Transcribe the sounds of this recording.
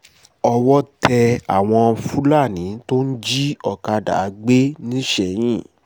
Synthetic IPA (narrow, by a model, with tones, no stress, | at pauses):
ɔ˧wɔ˦tɛ˧a̰˨w̃ɔ̃˧fu˦la˦˨nĩ˨˦to˦n̩˦d͡ʒi˦ɔ˦˨ka˧da̰˨˦ɡ͡be˦nĩ˦ʃɛ˧˨j̃ĩ˦˨